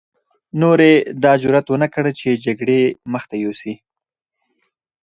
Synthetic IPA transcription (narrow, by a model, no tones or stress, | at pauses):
noɾed̪ɑd͡ʒʊɾat̪wənəkɽət͡ʃed͡ʒaɡɽeməxt̪ajosi